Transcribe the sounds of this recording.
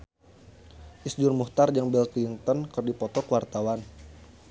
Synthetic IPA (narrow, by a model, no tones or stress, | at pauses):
ʔisd͡ʒurmuht̪ard͡ʒaŋbɛlt̪iŋt̪ɔnkɨrdipɔt̪ɔkəwart̪awan